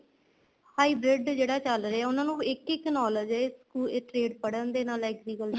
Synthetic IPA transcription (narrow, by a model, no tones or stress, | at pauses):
haːiːbɾɪɖd͡ʒeːɽaːt͡ʃəlɾeaːʊnãːnũːɪkɪknɔːləd͡ʒɛːskuːleːʈɾeːɖpəɽənd̪eːnaːlɛːkzikəl